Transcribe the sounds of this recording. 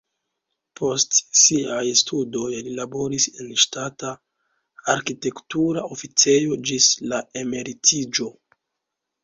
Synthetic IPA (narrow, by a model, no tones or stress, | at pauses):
pʰo̞stsiajstʰudo̞jlilabo̞ɾisenʃtataː | ɾkite̞ktuɾao̞fit͡se̞jo̞d͡ʒislae̞me̞ɾitʰid͡ʒo̞